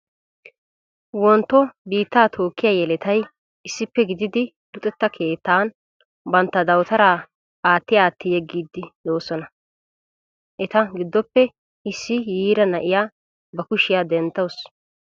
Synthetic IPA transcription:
wɔnt̪ːɔbiːt̪ːaːt̪ʰo̞ːkːɪjaːjɛlɛt̪ɐj | ɪsːɪpːɛɡɪd̪ɪd̪ɪ | lʊt̪ʼɛt̪ːɐkʰe̞ːt̪ːaːn | bɐnt̪ːɐd̪ɐwt̪ɐɾaː | aːt̪ːɪjaːt̪ːɪjɛɡːiːd̪ːɪd̪o̞ːsɔnɐ | ʔɛt̪ɐɡɪd̪ːɔpːɛ | ɪsːɪjiːɾɐnɐʔɪjaː | bɐkʊʃɪjaːd̪ɛnt̪ːɐws

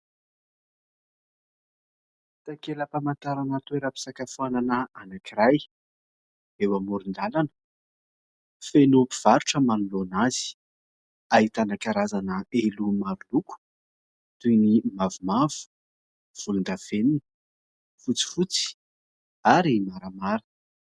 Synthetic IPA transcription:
t̪akeləpamant̪aɾanat̪weɾapi̥sakafuananəanakiɾaj | ewamuɾind̪alanə̥ | fenupi̥v̥aɾuʈ͡ʂəmanulonazi̥ | ait̪anakaɾazanəelumaɾuluku̥ | t̪unimavumavu̥ | v̥ulund̪av̥enin | fut͡si̥fut͡si̥ | aɾimaɾamaɾə

